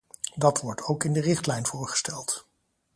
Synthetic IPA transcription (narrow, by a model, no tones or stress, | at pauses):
dɑtʋɔɹtʰowkɪndərɪχtlɛjnvʊːɹχə̥stɛlˠt